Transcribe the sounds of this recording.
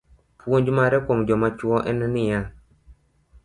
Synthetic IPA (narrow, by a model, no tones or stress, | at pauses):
puoɲd͡ʒumaɾɛkomd͡ʒɔmat͡ʃuɔʔɛnɛnija